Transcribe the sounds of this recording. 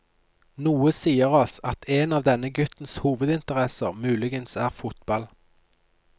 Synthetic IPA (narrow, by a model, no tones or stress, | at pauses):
nuːəsiːəʁɔsɑt̪ʰeːnɑːʋd̪ɛnəɡʉt̪n̩shuːʋəd̪ɪnt̪əʁɛsə̰ʁmʉːlɪɡənsæːʁfʊt̪̚bɑl